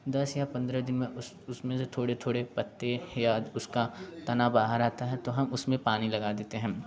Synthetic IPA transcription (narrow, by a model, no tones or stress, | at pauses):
d̪ɐsjapɐ̃nd̪ɾɛd̪ɪnmẽʊs | ʊsmẽset̪ʰoːɽet̪ʰoːɽepɐt̪ːejaʊskat̪ɐnabaːɦəɾaːt̪aɦɛt̪oɦɐmʊsmẽpaːnilɐɡaːd̪eːt̪eɦɛ̃ː